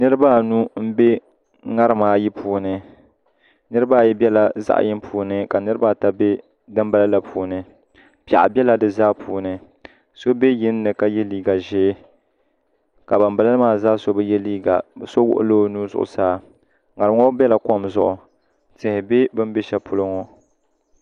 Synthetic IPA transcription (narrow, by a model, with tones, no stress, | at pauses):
nɨ˦ɾɨ˦ba˦nu˦m̩˦be˦ | ŋa˦ɾɨ˦maː˦˨ji˦pʰuː˨nɨ˨ | nɨ˦ɾɨ˦ba˦˨jɛ˦bʲɛ˦la˨za̰˦ʔjɪ˦mpʰuː˨nɨ˦ka˨nɨ˦ɾɨ˦ba˦˨ta˦be˦ | dɨ˦m˦ba˨la˦la˨pʰuː˨nɨ˨ | pa̰˨ʔa̰˨bɛ˦la˦dɨ˨zaː˦pʰuː˨nɨ˨ | so˦be˦jɪ˦nː˦ɨ˨ka˦jɛ˦liː˦ɡa˨ʒeː˦ | ka˨ba˨mba˦la˦maː˦zaː˦so˦bɨ˦jɛ˦liː˦ɡa̰˨bso˦wʊ̰˦ʔʊ̰˦loː˦nuː˦zʊ̰˨ʔʊ̰˨saː˦ | ŋa˨ɾɨ˦ŋo˦bɛ˦la˨ko˦mzʊ̰˦˨ʔʊ˨ | tɪ˨hɪ˨be˦bɨ˦m˦be˦ʃɛ˦pʊ˦lʊ˦ŋo˦